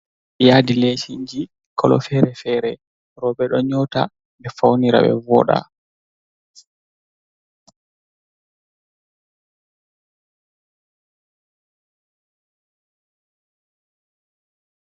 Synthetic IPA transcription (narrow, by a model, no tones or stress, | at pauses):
jaːdilesiɲd͡ʒi | kʰɔlɔ̰fɛɾɛfɛːɾɛ | ɾɔbɛɗɔɲɔta | bɛfawniɾa̰ɓɛ̰vɔ̰ɗa̰